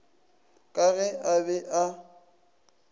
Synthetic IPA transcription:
kʼaɣɛʔabɛʔa

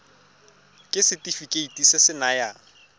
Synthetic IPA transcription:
kʼɪsɪtʼifikʼeitʼisɪsɪnaja

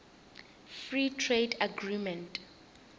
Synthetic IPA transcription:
fɹitʰredaɡɹimɛ̃ntʼ

